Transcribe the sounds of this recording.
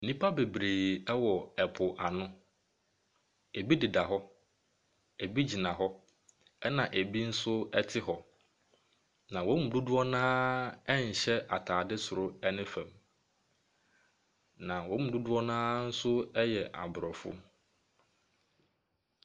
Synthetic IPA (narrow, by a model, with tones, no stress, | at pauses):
n̩˨nĩ˦pʰa˦be˨bɾeː˨ɛ˦wɔ˨ɛ˨pʰʊ˨ʔa˨nʊ̃˦ | e˨bi˦di˨da˨ɦɔ˦ | e˨bi˦d͡ʑi˨nã˨ɦɔ˦ | ɛ˦nã˨ʔe˨bi˦n̩˦sʊ˦ɛ˦tʰɪ˦ɦɔ˨ | nã˨wɔ̃˦m̩˨du˦dʊ˦ɔ˦nãː˦ɛ˦ɲ̩˨ɕɛ˦ʔa˨tʰaː˨dɪ˦sʊ˨ɾʊ˦ɛ˦nɪ̃˦fɛ̃˨m | nã˨wɔ̃˨˦m̩̃˨du˦dʊ˦ɔ˦nãː˦n̩˦sʊ˦ɛ˦jɛ˨ʔa̰˨bʊ˨ɾɔ˨fʊ̰˦